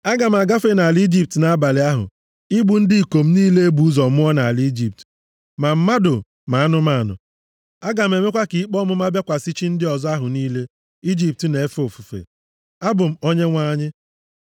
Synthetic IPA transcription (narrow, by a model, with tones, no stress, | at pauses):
a˦ɡa˨m̩˨a˨ɡa˦fe˦na˨li˦d͡ʒi˦p̚tna˨a˦ba˨lɪ˨a˦ɦʊ̰˨ | i˦ɡ͡bu˨n̩˦dɪ˦i˨ko˨m̩˦niː˦le˦e˦bu˨u˦zɔ˨mʊ˦ɔ˦na˨a˨li˦d͡ʒi˨p̚t | ma˨m̩˦ma˦dʊ˨ | ma˨a˦nʊ˦ma˦˨nʊ̰˨ | a˦ɡa˨m̩˨e˨me˦kʷa˦ki˨i˦k͡pɔ˦mʊ˦m˦a˦bja˦kʷa˨si˦t͡ʃi˦n̩˦dɪ˦ɔ˨zɔ˦a˦ɦʊ˨niː˦le˦ | i˦d͡ʒi˦p̚tne˨e˦fo˨fu˨fḛ˨ | a˦bʊ˨m̩˨o˦ɲe˦ŋʷaː˦ɲɪ˦